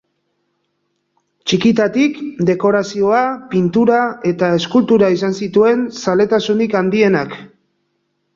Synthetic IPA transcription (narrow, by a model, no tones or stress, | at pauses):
t͡ʃikit̪at̪ikd̪e̞ko̞ɾasio̞apint̪uɾae̞t̪ae̞skult̪uɾaisansit̪ue̞nsale̞t̪asunikand̪ie̞nak